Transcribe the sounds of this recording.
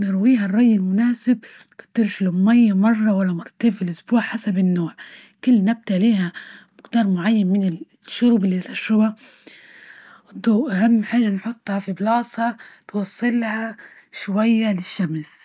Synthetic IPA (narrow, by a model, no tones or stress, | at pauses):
nɪɾwiːɦarˤːɑjːɪlmʊnaːsɪb̚ | kɪ̥t̪ːɪɾfilʊmajːamɑrˤːɑwalːamɑɾˤt̪eːbfilʔʊsbuːʕħasabɪnːoːʕ | kʊlːnab̚t̪aliːhamɪqd̪ɑːɾˤmʊʕajːanmɪnɪ | ʃːʊɾuːbɪlːit̪ɑʃɾɑba | d̪ˤuːʔaɦamːħaːʒanħʊt̪ˤːhɑfiblɑːsˤhɑt̪wɑsˤːɨlːaha | ʃwajːalɪʃːams